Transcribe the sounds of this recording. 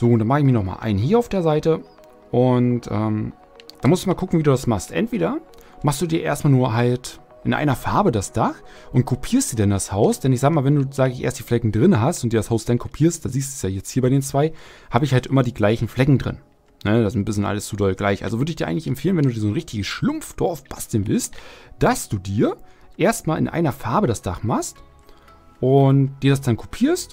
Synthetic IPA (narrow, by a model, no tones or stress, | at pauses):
z̥oːʊntdanmaχəɪçmiːɐnɔχma̰lʔa̰ɪnnɦiːɐaʊfd̥eːɐzaɪtə | ʔʊntʔɛːm | d̥anmʊstumaːlkʰʊkŋ̩viːduːdasmaχstʔɛ̰ntv̥eːɾɐ | maχstd̥uːdiːɐʔḛːɐstmaːlnuːɐɦalt | ʔɪnʔa̰ɪnɐfaɐbədasd̥ax | ʔʊnt̚kʰopʰiːɐstz̥iːdandashaʊsd̥ɛnɪçz̥aːɡəmaːlvɛnduːz̥aːɡəɪçʔḛːɐstd̥iːflɛkŋ̩dʁɪnɦastʊntd̥iːɐdashaʊsd̥ankʰopʰiːɐst̚d̥aːziːs̬td̥uːsjaːjɛt͡sthiːɐbaɪdeːnt͡sv̥aɪ | haːbəɪçhaltʔɪmɐdiːɡlaɪçn̩flɛkŋ̩dʁɪ̰n | nədasnb̥ɪs̬lɪənʔa̰ləst͡sudɔlɡlaɪçʔa̰lzovʏɐdəɪçd̥iːɐʔaɪŋtlɪçɛmpfeːlənvɛnduːdiːzoːnʁɪçtɪɡəsʃlʊmfd̥ɔɐfb̥asd̥ɛnvɪ̰lstd̥asd̥uːdiːɐʔeːɐstmaːlʔɪ̰nʔa̰ɪnɐfaɐbədasd̥aχmaχst | ʔʊntd̥iːɐɾasd̥ankʰo̥pʰiːɐst